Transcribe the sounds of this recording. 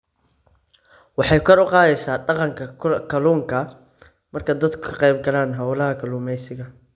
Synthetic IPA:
wɑħɑjkʰɐɾʊqɑːðɛjsaːɖɑqɑŋkʰɐkʰɐluːŋkʰɐ | mɐrkʰɐd̪ɐd̪kʰʊkʰɐ̥qɛjb̚ɡɐlaːnɦɐwlɐɦɐkʰɐluːmɛjsɪɣɐ

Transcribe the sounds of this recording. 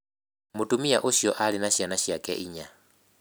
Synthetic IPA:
mutʼumiaʔuʃiɔʔalinaʃianaʃjakʼɛ̰ʔiɲa

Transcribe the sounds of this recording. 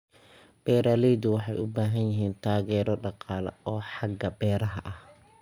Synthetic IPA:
b̥ɛːɾaːlɛjd̪ʊwɑħɑjʊbaːɦɐnjɪɦiːnt̪ʰaːɣɛːɾɔɖɑqɑːlɐ̰ɔːħɑɡɐbɛːɾɐɦɐʔɐh

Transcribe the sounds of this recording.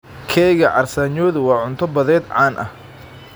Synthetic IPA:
kʰɛɣɐʕɑrsaːɲɔːðʊwɑːʕʊnt̪ʰɔbɐðɛːd̪ʕɑːnʔɐ̰h

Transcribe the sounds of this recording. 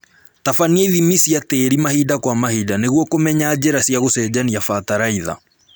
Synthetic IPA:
tafanieiðimisiateɾimahidakwamahiːdaneɣwɔkomɛɲaːd͡ʑɛɾasjaɣosɛd͡ʑaniafataɾaiða̰

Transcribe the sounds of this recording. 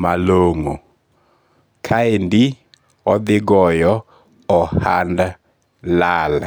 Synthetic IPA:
maloŋo | kʰaendi | ɔðɪɡɔjɔ | ɔhanda | lala

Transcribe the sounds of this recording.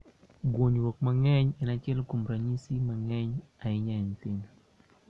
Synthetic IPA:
ɡwoɲwokmaŋɛɲɛnat͡ʃɛlkumɾaɲisimaŋɛɲaɪɲaɲtɪn

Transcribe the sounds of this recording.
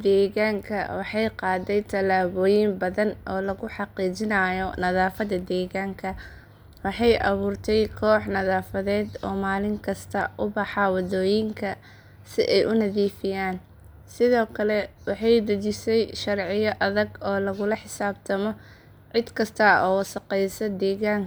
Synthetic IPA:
d̪ɛːɣaːŋkʰɐ̰wɑħɑjqɑːd̪ɛjt̪ʰɐlaːβɔːjɪmbɐðɐnʔɔːlɐɣʊħɑqiːt͡ʃɪnɐjɔnɐðaːfɐdɐd̪ɛːɣaːŋkʰɐ | wɑħɑjʔɐ̰βuːrt̪ʰɛjkʰɔːħnɐðaːfɐðɛːd̪ɔːmaːlɪŋkʰɐst̪ʰɐ̰ʔʊbɑħɑwɑðɔːjɪŋkʰɐ | sɪʔɛjʔʊnɐðiːfɪjaːn | sɪðɔːkʰɐlɛwɑħɑjd̪ɐt͡ʃɪsɛjʃɐrʕɪjɔʔɐðɐɡɔːlɐɣʊlɐħɪsaːb̚t̪ʰɐmɔ | ʕɪd̪kʰɐst̪ʰɐɔːsɐqɛjsɐd̪ɛːɣaːŋ

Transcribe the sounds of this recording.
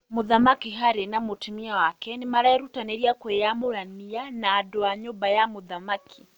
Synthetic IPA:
moðamakiɦaɾenamotimiawakɛnemaɾaɛɾutanɛɾiakwejamoɾanianaːdoaɲobajamoðamakʰi̥

